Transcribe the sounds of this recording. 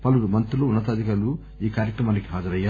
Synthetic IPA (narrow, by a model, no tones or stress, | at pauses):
pɐlumɐnt̪ɾuloːunːɐt̪aːd̪ikaːɾlu | iːkaːɾjɐkɾɐmaːniki̥ɦaːd͡ʒɐɾɐjːaː